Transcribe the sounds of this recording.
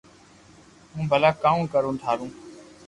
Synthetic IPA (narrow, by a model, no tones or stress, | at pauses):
ɦũːbʱəlaːkaːũːkəɾũːʈʰaːɾũː